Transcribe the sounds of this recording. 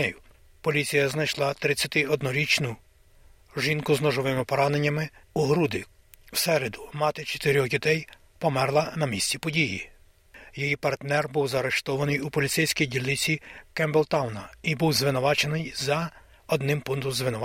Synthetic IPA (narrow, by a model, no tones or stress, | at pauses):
ɛjʊ | pɔlʲit͡sʲijɐznɐjʃlˠɑt̪ɾɪt͡sʲːɐt̪ɪɔd̪nɔɾʲit͡ʃnʊ | ʒinkʊznɔʒɔʋɪmɪpɔɾɑnenʲːɐmɪuɦɾud̪ɪ | wsɛɾed̪ʊmɑt̪ɪt͡ʃɔ̥t̪ɪɾʲɔɣdʲit̪ɛj | pɔmɛrlˠɐnɐmʲisʲt͡sʲipɔdʲijḭ | jɔjipɐrt̪nɛrbuwzɐɾeʃt̪ɔʋɐnɪjupɔlʲisɛjsʲkijdʲilʲlːɪt͡sʲikɛmblˠt̪ɑwnɐibuwzʋɪnʊʋɑt͡ʃenɪjzɐ | ɔd̪nɪmpund̪ʊmzʋɪnʊʋ